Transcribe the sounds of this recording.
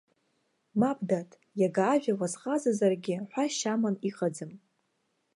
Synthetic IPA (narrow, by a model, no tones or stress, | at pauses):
mabdatʰʼ | jaɡaːʒᶣawazqʼazazarɡʲɪħʷaʃamaniqʼad͡zɨm